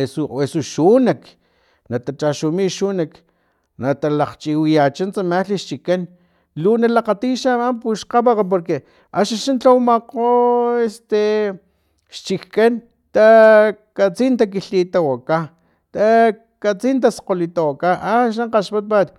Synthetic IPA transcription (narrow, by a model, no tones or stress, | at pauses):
esuesuʃunak | nat̪at͡ʃaʃumiʃunak | nat̪alaqt͡ʃiwijat͡ʃant͡samaliʃt͡ʃikan | lonalaqat̪iʃamampuʃqaβaqap̬oɾke | aʃaʃant͡ɬawmaqoest̪e | ʃt͡ʃikkan | t̪a | kat͡sint̪ak̬iɬit̪awaka | t̪a | kat͡sint̪̬aso̥qolit̪awakaʔaʃ̬aɴqaʃpat̪̚pat̪